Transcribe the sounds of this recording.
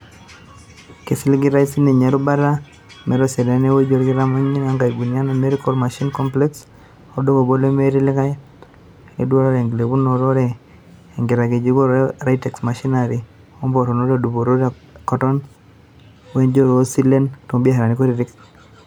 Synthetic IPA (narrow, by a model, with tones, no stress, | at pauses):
ke˨sɪ˦li˦ɡɪ˦ɾa˦i˦si˦ne˨ɲa˨ɾu˦ba˦ɾa˦ | mɛ˨ɾɔ˦sɛ˨dɛ˨˦ne˦we˦d͡ʒo˦ɾɡɪ˦ɾa˦mɔ˦ɲi˦na˦ŋɡa˨i˨ɡu˨nia˦no˨me˦ɾi˦kɔ˦ɾma˨ʃi˦nkɔ˦mplɛ˦ks | ɔ˦do˦ko˨bo˦le˦me˦ɾi˦lɪ˦ka˦ | ḛ˦dwa˦ɾɔ˦ɾe˨ŋɡle˨bu˦nɔ˨ɾɔ˦ɾɛː˦˨ | ŋɡɪ˨ɾa˨ɡe˨d͡ʒi˦ɡo˦ɾe˦ɾa˦i˦tɛ˨ksma˨ʃi˦na˨ɾi˨ | ɔ˦mbɔ˨tɔ˨no˦ɾe˦˨du˨bo˨ɾo˦ɾe˨ | kɔ˦tɔ˦n | we˦nd͡ʒo˦ɾo˦si˦le˦ntɔ˨ŋbi˦a˦ɦa˨ɾa˨ni˦ko˦ɾi˨ɾɪ˦k